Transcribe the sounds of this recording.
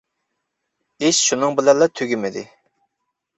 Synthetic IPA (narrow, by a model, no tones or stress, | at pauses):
ɪʃʃunɨŋbɪlɛnlːˠɑt̪ʰøɡʲymɪd̪ɪ